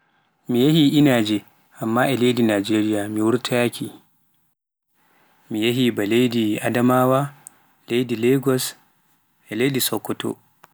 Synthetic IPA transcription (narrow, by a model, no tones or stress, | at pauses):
mijahiʔinaːd͡ʒɛ | ʔamːaʔɛlejdinad͡ʒeɾijamiwuɾtʰakʰi | mijaɦibalejdia̰damaːwa | lejdilɛɡɔs | ʔɛlejdisɔkːɔtɔ̰